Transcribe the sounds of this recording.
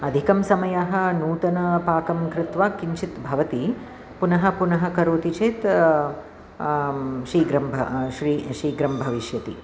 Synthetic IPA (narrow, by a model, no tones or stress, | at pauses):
ɐd̪ʱikɐmsɐmɐjaɦɐ̆nuːt̪ɐnɐpaːkɐmkɾɪt̪ʋaːkiɲt͡ʃit̪bʱɐʋɐt̪i | punɐɦɐ̆punɐɦɐ̆kɐɾoːt̪it͡ʃeːt̪ | ʃɾiːɡɾɐmbʱɐ̰ʃɾiːʃɾiːɡɾɐmbʱɐʋiʃjɐt̪i